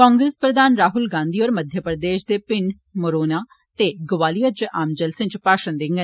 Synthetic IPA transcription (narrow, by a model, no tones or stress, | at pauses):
kɔ̃ːŋɡɾeːspɾəd̪aːnɾaːɦʊlɡãːnd̪iːɔːɾməd̪ʱjəpɾəd̪eːʃd̪eːpɪɳɖ | moɾoːnaː | t̪eːɡəʋaːlijəd͡ʒəʔaːmd͡ʒəlsɪ̃nt͡ʃpaːʃənd̪ɪŋɡə